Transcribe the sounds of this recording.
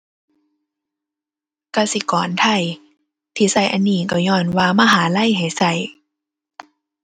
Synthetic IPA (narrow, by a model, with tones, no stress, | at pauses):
ka˧˩si˧˦kɔː˨˦nt̪ʰa˧˩j | t̪ʰiː˧˩sa˧˩˨jʔa˧˨nːiː˧˩ka˧˩wɲɔː˧˩nwaː˧maː˧˨ɦaː˨˦la˧˥˨jɦa˨˩jsa˧˩j